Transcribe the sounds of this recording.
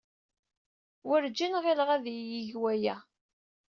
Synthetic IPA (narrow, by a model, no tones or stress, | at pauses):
wəɾd͡ʒːinʁelʁæðjiʝwæjæ